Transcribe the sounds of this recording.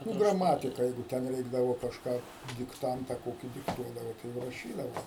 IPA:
nʊ ɡrɐˈmɑːtʲɪkɐ ˈjɛɪɡʊ ˈtʲɛn ˈrʲɛɪɡdɐʋoː kɐʃˈkɑː dʲɪkˈtɐntɐ ˈkoːkʲiː dʲɪkˈtuɔdɐʋoː tɐɪ ˈjɛʊ rɐˈʃʲiːdɐʋoː

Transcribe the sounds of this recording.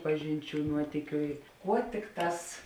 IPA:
ˈpɑːʒʲɪnʲˌt͡ʃʲuː ˈnuɔtʲiːkʲʊ ɪ ˈkuɔ ˈtʲɪkˌtɑːs

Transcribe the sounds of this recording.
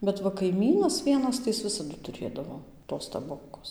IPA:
bʲɛt ˈʋɐ kɐɪˈmʲiːnɐs ˈʋʲiɛnɐs tɐɪ ˈjɪs ˈʋʲɪsɐdʊ tʊˈrʲeːdɐʋoː toːs tɐˈboːkoːs

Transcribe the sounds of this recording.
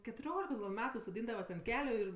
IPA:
kʲɛtʊˈrʲoːlʲɪkoːs ɡɐlʲ ˈmʲæːtʊ soːˈdʲiːndɐʋɐs ɐnt ˈkʲæːlʲʊ ɪr

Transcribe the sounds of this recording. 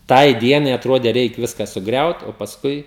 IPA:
ˈtɐɪ ˈdʲiɛnɐɪ ɐtˈroːdʲeː ˈrʲɛɪk ˈʋʲɪskɐ sʊˈɡrʲɛʊt oː pɐsˈkʊɪ

